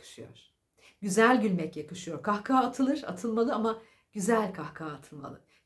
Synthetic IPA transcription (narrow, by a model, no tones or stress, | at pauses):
ɯ̥ʃɯjo̰ɾ̥ | ɟyzælʲɟylʲmɛcjakɯʃɯjo̞ɾkʰahkʰaːt̪ʰɯlˠɯɾ̥a̰t̪ʰɯlˠmalˠɯama | ɟ̥yzælʲkʰahkʰaːt̪ʰɯlˠma̰lˠɯ